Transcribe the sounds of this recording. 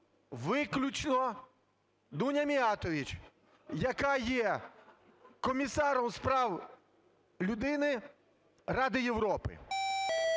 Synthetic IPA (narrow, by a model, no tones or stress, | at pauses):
ʋɪklʲut͡ʃnɔ | d̪unʲɐmʲiɑt̪ɔʋʲit͡ʃ | jɐkɑjɛ | kɔmʲisɑɾɔmspɾɑw | lʲʊd̪ɪnɪ | rɑd̪ɪjewɾɔpɪ̰